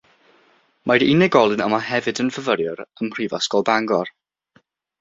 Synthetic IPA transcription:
mʔadinɛɡɔlˠɨnamaɦɛvɨdənvəvəɾjɔɾəmr̥ivɔsɡ̥ɔlˠbaŋɡɔr

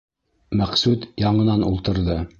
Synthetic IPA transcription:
mæqsʉt̪jɑɴɤ̆nɑnṵlˠt̪ɤ̆ɾðɤ

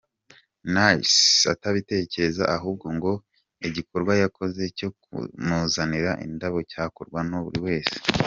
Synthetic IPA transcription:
nasa̰taβite̞ːce̞ezaʔaɦuːb̚ɡo̞ŋɡo̞ | iɟiko̞ɾɡwajako̞ze̞co̞kṵnuːzaniɾaʔḭndaβo̞caːkoɾɡwanoβṵɾiwe̞ːse̥

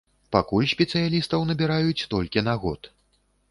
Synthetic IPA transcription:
pakulʲsʲpʲɛt̪sɨjalʲist̪ɐwnɐbʲiɾajut͡sʲt̪ɔlʲkʲinaɣɔt̪

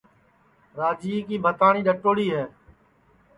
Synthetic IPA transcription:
ɾaːd͡ʒiːkiːbʱət̪aːɳiːɗəʈːoːɽiːɦɛː

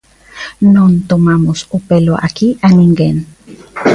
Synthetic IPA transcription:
nont̪omamosupeloʔa̰kiʔaniŋɡen

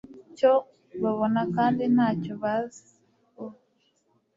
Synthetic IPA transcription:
co | βaβonakaːndinaːcoβaz | ko

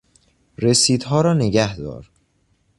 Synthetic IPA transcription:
ɾesiːd̪ɦɒːɾɒːne̞ɟæhd̪ɒ̰ːɾ

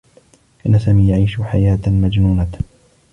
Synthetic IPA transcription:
ʔɪnːasaːmiːjaʕiːʃħajaːt̪mad͡ʒnuːna

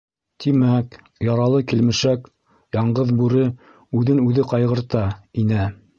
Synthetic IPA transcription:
t̪ʰimæk | jɑɾɑlˠɤkilmɘ̆ʃæk | jɑɴɢɤðbʉɾɘ | ʉðɘnʉðɘqɑjʁɤ̆ɾt̪ɑinæ

